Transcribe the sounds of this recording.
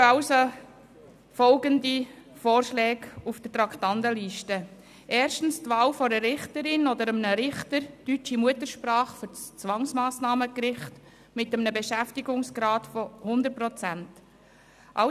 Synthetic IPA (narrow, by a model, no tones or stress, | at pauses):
ɑso | fɔlɡəndifoːrʃlɛːɡufd̥ətɾɑktɑndəliʃtə | ʔɛːɾʃtn̩stʋɑːlfɔɾəɾɪχtəɾɪnɔdəɾəmnəɾɪχtəɾtyt͡ʃimuətəɾʃpɾɑːχføɾt͡st͡sʋɑŋsmɑːsnɑːməkɾɪχt | mɪtəmnəbeʃæftiɡʊŋsɡ̥ɾɑːtfɔhʊndəɾt̚pɾɔt͡sænt | ʔɑ̰